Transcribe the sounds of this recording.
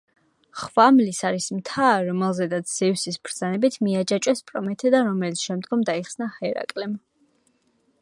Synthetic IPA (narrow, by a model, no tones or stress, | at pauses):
χvamlisaɾismt̪ʰaɾɔmɛlˠzɛd̪at̪sʰz̥ɛvsisbʰɾd̪zanɛbit̪ʰmiad͡ʒat͡ʃʼwɛspʼɾɔmɛt̪ʰɛd̪aɾɔmɛlit̪sʰʃɛmd̪ɡɔmd̪aiχsnahɛɾa̰kʼlɛm